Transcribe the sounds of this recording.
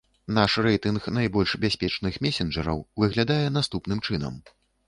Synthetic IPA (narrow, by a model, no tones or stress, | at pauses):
naʂrɛjt̪ɨnxnajbɔlʲʂbʲasʲpʲɛt͡ʂnɨxmʲɛsʲɛnd͡ʐɐɾɐ̰wvɨɣlʲad̪ajɛnast̪upn̪ɨmt͡ʂɨnɐ̰m